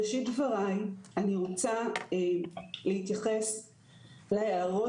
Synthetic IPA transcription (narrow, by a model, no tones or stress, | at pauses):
ʃitvaʁajaniʁot͡saelehit̪jaχe̞s | leheaʁo